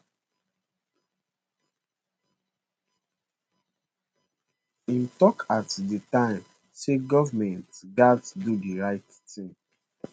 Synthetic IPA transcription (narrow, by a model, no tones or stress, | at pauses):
ĩntɔkʰatditãɪ̃m | seɡɔvamɛ̃ntɡatdudiɹaɪt | tĩŋ